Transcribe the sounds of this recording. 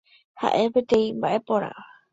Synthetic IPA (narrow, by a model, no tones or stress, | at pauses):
ha̰ʔe̞pet̪ẽ̞ĩmbaʔe̞po̞ɾa̰ʋa